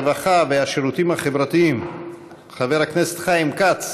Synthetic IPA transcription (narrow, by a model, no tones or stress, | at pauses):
vaχaveaʃeɾut̪imhaχevɾat̪iim | χaveʁhaknese̥t̪χaimkat͡s